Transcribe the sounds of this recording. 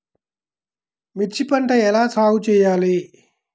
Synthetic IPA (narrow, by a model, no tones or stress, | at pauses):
mitt͡ɕipəɳʈajɛlat͡sʰaut͡ɕejale